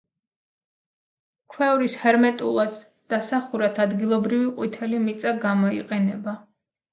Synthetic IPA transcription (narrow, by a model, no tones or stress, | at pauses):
kʰwɛuɾishɛɾmɛt̪ʼṵlˠad̪ | d̪̥asaχuɾat̪ʰad̪ɡilˠɔbɾiviqʼwit̪ʰɛlimit̪sʼaɡamɔḭqʼɛnɛba